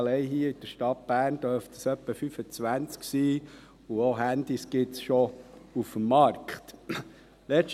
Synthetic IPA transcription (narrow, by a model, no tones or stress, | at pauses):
lɛɪɦiːəɪd̥əɾʃtɑt̚b̥æːɾnd̥̪œɾftəsœpːəfyfət͡sʋænt͡sksiː | uoɦænd̥̪isɡ̥ɪtsʃɔufəmːɑɾkχt | lɛt͡ʃ